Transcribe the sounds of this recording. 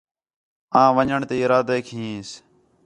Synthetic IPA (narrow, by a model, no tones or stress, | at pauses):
ãːʋəɲəɳt̪eːɪɾaːd̪eːkʰĩs